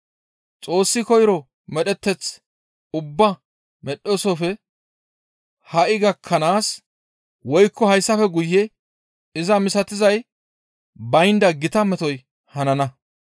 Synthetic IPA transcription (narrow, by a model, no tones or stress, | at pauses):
t͡sʼo̞ːsːɪkɔjɾɔ | mɛɗɛt̪ːɛt͡s | ʊbːɐ | mɛɗːosɔfɛ | hɐʔɪɡɐkʰːɐnaːs | wɔjkʰːɔhɐjsːɐfɛɡʊjːɛ | ɪzɐmɪsɐt̪ɪzɐj | bɐjnd̪ɐɡɪt̪ɐmɛt̪ɔj | hɐnɐnɐ